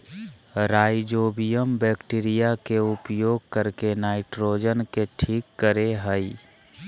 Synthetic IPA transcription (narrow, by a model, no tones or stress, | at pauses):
ɾaːɪd͡ʒoːbijəmbɛːkʈiːɾijakeʊpjoːɡ̚kəɾkenaːɪʈɾoːd͡ʒənkeʈʰiːkːəɾeɦəi